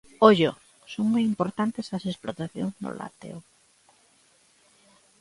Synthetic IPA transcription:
oʎo | soŋmojimpoɾt̪ant̪esɐsesplot̪aθjo̰ŋzno̰la̰t̪ḛo

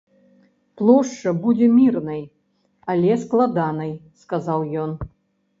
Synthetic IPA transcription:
plˠɔʂt͡ʂːɐbud͡zʲɛmʲirnɐj | alʲɛsklˠad̪anɐjskazawjɔn

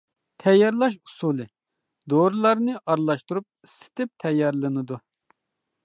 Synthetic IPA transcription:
t̪ʰɛjːɑɾlˠɑʃu̥sulˠɨ | d̪oɾulˠɑɾnɨʔɑɾlˠɑʃt̪uɾup̚isɪ̥t̪ʰɪp̚t̪ʰɛjːɑɾlˠɨnɨd̪u

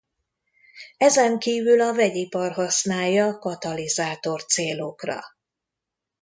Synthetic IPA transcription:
ɛzɛŋkiːvylɒvɛɟipɒrɦɒsnaːjːɒkɒt̪ɒlizaːt̪o̞rt̪seːlokrɒ̰

